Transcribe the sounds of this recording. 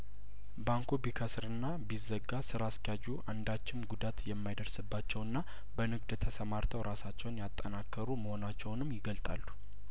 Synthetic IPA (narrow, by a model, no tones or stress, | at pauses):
baŋkʰubikʰəsɾɨnːabizːəɡːasɨɾaskjad͡ʒuʔand̪at͡ʃːɪmɡud̪at̪jɛmːajd̪əɾsɨbːat͡ʃːɛwɨnːa | bənɨɡd̪t̪ʰəsəmaɾt̪ʰəwɾasat͡ʃːɛwnjat̪ʼːənakːəɾuməho̞nat͡ʃːɛwnɨmːjɪɡəlt̪ʼa̰lːu